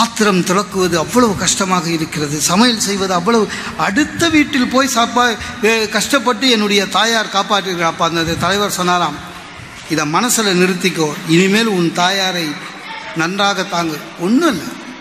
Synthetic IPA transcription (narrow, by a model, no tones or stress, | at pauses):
aːt̪ːɪɾɐmt̪ɔɽɐkːɯʋɐðɯɐʋːɐɭɐʋɯkɐʂʈɐmaːɣɐɪɾɯkːɪrɐðɯsɐmɐjɐlsɛjʋɐðɯɐʋːɐɭɐʋɯ | ɐɽɯt̪ːɐʋiːʈːɪlpoːjsaːpaːkɐʂʈɐpːɐʈːɯɛnːɯɽɐjɐt̪aːjaːɾkaːpaːʈriɾɣɐɭaːpːaːnd̪ɐðɯt̪ɐlɐɪʋɐɾsɔnːaːlaːm | ɪðɐmɐnɐsɪlɐnɪɾɯt̪ːɪk̬ʲːoːɪnɪmeːlʊnt̪aːjaːɾɐɪ | nɐndraːɣɐt̪aːŋɡɐ | ɔnːɯɐlːɐ